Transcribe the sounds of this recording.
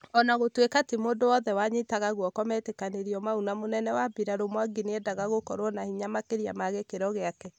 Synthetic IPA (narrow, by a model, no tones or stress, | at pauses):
ɔnaɣotwekatemoːndowɔðɛwaɲetaɣaɣwɔkɔmɛːtekaneɾiɔmaunamonɛnɛwabiɾaɾomwaɡineɛdaɣaɣokɔɾwɔnahiɲamakeɾia̰maɣekeɾɔɣeakɛ